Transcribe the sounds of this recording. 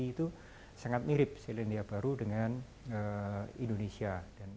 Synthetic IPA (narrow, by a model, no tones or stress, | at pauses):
iːt̪u | saŋat̪̚miɾɪp̚selandiabaɾudəŋan | əindonesiad̥an